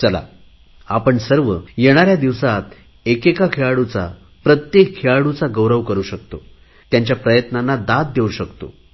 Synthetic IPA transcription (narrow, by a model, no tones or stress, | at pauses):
t͡səla̰ | apəɳsəɾʋəjeɽ̃aɾjad̪iʋsat̪ | ekekakʰeɭaɽut͡sa̰ | pɾət̪jekʰːeɭaɽut͡saɡəwɾəʋkəɾuːɕəkt̪o | t̪jaɲt͡ɕjapɾəjət̪nanːad̪at̪̚d̪euɕəkt̪o̰